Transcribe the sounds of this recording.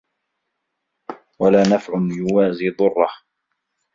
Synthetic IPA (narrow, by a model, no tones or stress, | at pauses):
walaːnafʕʊnjʊwaːziːðˤʊrˤːɑh